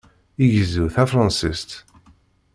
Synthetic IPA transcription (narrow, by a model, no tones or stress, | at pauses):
iʝəzuθæfɾˤɑnsist̪